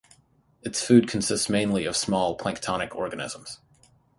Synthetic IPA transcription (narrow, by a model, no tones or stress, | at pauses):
ɨtsfʉd̚kʰn̩sɪstsmẽɪ̃nliʌv̥smɔlˠpʰl̥æ̃ŋk̚tʰɑnɨkʰɔɹɡɨnɪ̰z̥ə̃m̩z̥